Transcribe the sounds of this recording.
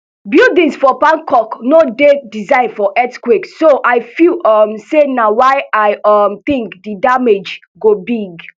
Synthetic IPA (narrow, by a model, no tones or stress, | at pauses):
bildĩsfɔpãnkʰɔknodedizãɪ̃nfɔʔɛtkwiksoʔaɪfilɔmsenawaɪaɪɔmt̪ĩŋkdidamed͡ʒ | ɡobiɡ